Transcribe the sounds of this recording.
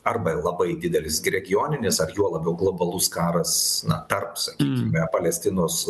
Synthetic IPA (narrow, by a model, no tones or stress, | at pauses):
ɐrbɐlˠɐbɐɪd̪ʲɪd̪ʲɛlʲɪsɡɾʲɛɡʲɪjoːnʲɪnʲɪsɐrjuɔlˠɐbʲɛʊɡlˠoːbɐlˠʊskɑːɾɐsnɐ̰t̪ɐrpsɐkʲiːkʲɪmʲɛpɐlʲɛsʲt̪ʲɪnoːs